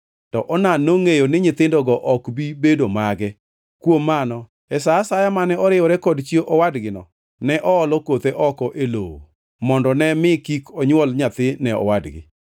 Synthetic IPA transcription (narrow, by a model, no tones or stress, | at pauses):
tɔʔɔnanoŋejonɪɲɪt̪ɪndɔɡɔʔɔkbibedomaɡɛ | kwomːanɔ | ɛsaːsajamanɛɔɾɪɔɾɛkɔdt͡ʃieʔɔwadɡɪnɔ̰ | nɛʔɔɔlɔkot̪eʔɔkɔʔelowo̰ | mɔndɔnɛmɪkikɔɲwɔlɲat̪ɪnɛɔ̰wadɡɪ̰